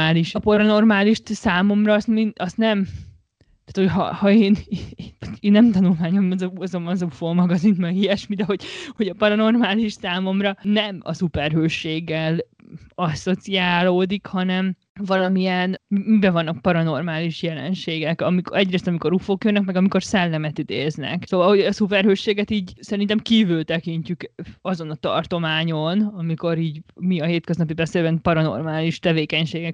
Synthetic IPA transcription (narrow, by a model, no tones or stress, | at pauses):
aːliʃɒpɒɾɒno̞rmaːliʃt̪saːmo̞mrɒːst̪miɒst̪nɛm | t̪aːt̪hocɦɒ̰hɒeːnː | eːnːɛmt̪ɒnulmaːɲomzɒzo̞mɒzufoːmɒɡɒzinmɛɡiɛʃmid̪ɛɦo̞ɟho̞ɟɒpɒɾɒno̞rmaːliʃsaːmo̞mrɒnɛmɒ̰supɛrɦøːʃːeːɡːɛl | ɒsːo̞t̪siaːloːd̪ikhɒnɛm | vɒlɒmijɛnmimibɛvɒnːɒk̚pɒɾɒno̞rmaːliʃjɛlɛ̰nʃeːɡɛkɒmikɛɟreːst̪ɒmiko̞ɾufoːkjønːɛkmɛɡɒmiko̞rsɛlːɛmɛt̪id̪eːznɛ̰ksoːvɒlho̞ɟɒsupɛrhøːʃːeːɡɛt̪iːɟsɛɾint̪ɛmkiːvylt̪ɛkiɲcykɒzo̞nɒt̪ɒ̰rt̪o̞maːɲo̞nɒmiko̞ɾiːɟmiɒɦeːt̪køznɒpibɛseːlbɛnpɒɾɒno̞̰rmaːliʃt̪ɛveːkɛɲʃeːɡɛk